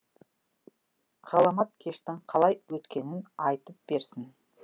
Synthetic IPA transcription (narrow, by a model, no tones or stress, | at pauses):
ʁ̥ɑlˠɑmɑt̪̚kʲʰe̞ʃt̪ɪŋqʰɑlˠɑjwɵt̪kʲe̞nɪnɑjt̪əp̚b̥e̞ɾsɪn